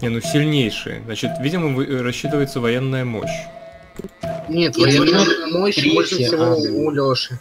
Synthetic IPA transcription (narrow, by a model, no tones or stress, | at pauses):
nʲenusʲɪlʲnʲejʂɨ̰jə̰znat͡ɕɪt̪vʲidʲɪməɨrɐsɕːit̪ɨvəjɪt̪səvɐjenːəjəmo̰ɕ | nʲet̪emoɕbolʲʂɨfsʲɪvoulʲoʂɨ